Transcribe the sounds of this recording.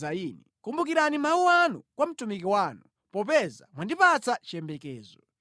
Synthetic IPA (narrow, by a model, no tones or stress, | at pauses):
ainɛkumbukiɾanimawuanṵkwam̩tumikiwaːnu | pɔp̬ɛza̰mwandipat͡sat͡ʃiɛmbɛkɛːzɔ